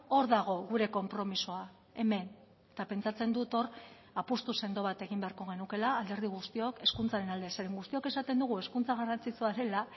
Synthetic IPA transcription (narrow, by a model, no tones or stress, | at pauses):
o̞ɾðaɣ̞o̞ɣuɾe̞ko̞mpɾo̞misoa | e̞me̞n | et̪ape̞nt͡sat͡se̞nd̪ut̪o̞r | apust̪use̞nd̪o̞βat̪e̞ɣ̞imbe̞aɾko̞ɣ̞e̞nuke̞laːld̪e̞ɾð̞iɣ̞ust̪io̞ke̞skunt͡saɾe̞nald̪eseɾeŋɡust̪io̞ke̞sat̪e̞nd̪uɣ̞ue̞skunt͡saɣ̞arant͡sit͡suaɾe̞la